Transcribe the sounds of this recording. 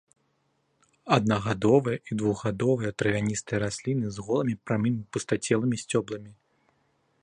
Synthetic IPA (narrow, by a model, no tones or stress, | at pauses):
ɐd̪̚naɣad̪ɔvɐjɐid̪vuɣɣad̪ɔvɐjɐt̪ɾɐvʲanʲist̪ɐjɐɾasʲlʲinɨzɣɔlˠɐmʲipɾamimipust̪at͡sʲɛlˠɨmʲisʲt͡sʲɔblˠɐmʲi